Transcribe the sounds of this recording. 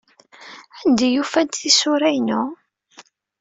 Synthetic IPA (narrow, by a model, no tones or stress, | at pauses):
ʕənd̪ijufænt̪θisʊɾæjnʊ